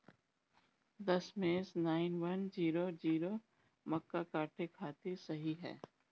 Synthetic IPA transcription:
d̪ɐsmeːsnaːɪnʋɐnd͡ʒiːɾod͡ʒiːɾo | mɐkːakaːʈʰekʰaːt̪isɐɦiɦɛ̰ː

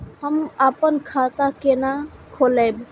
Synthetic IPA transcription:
həmapənkʰat̪akenakʰoləb

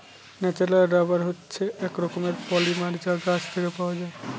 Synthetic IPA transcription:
nɛt͡ɕelaɖabaɾɦotːɕʰeɛkɾɔkomeɾpɔlimaɾd͡ʑaɡast̪ʰekepaoad͡ʑae

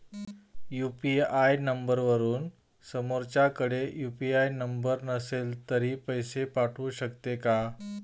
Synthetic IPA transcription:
jupiajnəmbəɾʋəɾuːn | səmoɾt͡ɕakəɽejupiajnəmbəɾnəselt̪əɾiːpəjsepaʈʰuːɕəkt̪eka

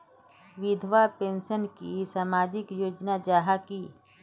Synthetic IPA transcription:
ʋɪd̪ʱʋapẽːnʃənkisaːmaːd͡ʒɪkjoːd͡ʒnad͡ʒaːɦaki

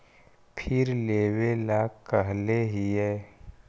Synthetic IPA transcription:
pʰɪɾleːwelaːkəɦleɦiɦɛː

